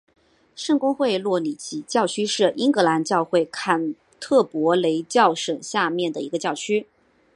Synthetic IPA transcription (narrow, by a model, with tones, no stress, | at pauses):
ʂɤ˥˩ŋkʊ˥ŋxwe˥˧ɪlwɔ˥˩ni˨˩t͡ɕʰi˧˥t͡ɕjɑ˥˧˩ʊt͡ɕʰy˥ʂɻ̩˥˩ʔi˥ŋkɤ˧˥la˧˥nt͡ɕjɑ˥˧ʊxwe˥˩ɪkʰa˥˩n | t̪ʰɤ˥˩pwɔ˧˥le˧˥ɪt͡ɕjɑ˥˩ʊʂɤ˨˩ŋɕja˥˧mjɛ˥˩nd̪ə˩i˧˥ɡə˧t͡ɕjɑ˥˩ʊt͡ɕʰy˥